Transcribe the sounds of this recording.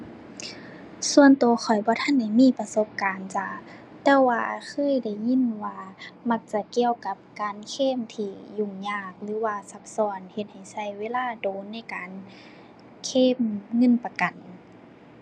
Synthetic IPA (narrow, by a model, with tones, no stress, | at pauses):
su˧ənt̪uː˨˩ɐxʰɔ˨˩jbɔː˧˦t̪ʰa˧˥˨nda˧˩jmiː˧˥˨pa˧so˧˦p̚kaː˨nt͡ɕa˧˩ | t̪ɛː˧˥˩waː˧kʰɤː˧˥˨jda˧˩jɲi˧˥˨nwaː˧ma˧k̚t͡ɕa˧˩ki˧əwka˧˦p̚kaː˨nkʰeː˧˥˨mt̪ʰiː˧˩ju˧˩˨ŋɲaː˧˩k̚lɯː˧˦waː˧sa˧˦k̚sɔː˧˩nhe˧˦t̪̚ha˨˩jsa˧˩jweː˧˥˨laː˧˩doː˨˦nːa˧˥˩jkaː˨n | kʰeː˧˥˨mŋɤ˧˥˨npa˧ka˨n